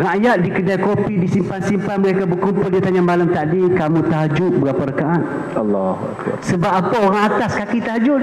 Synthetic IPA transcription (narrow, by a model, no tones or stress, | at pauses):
raʔjat̪̚dikədajkopidisimpansimpanməɾekabəkumpʊldiat̪aɲamalamt̪aʔdikamũt̪aɦd͡ʒʊʔbəapaɾəkaʔat̪̚ | ɑlːɔh | səbap̚apaoɾaŋat̪askakit̪aɦd͡ʒʊʔ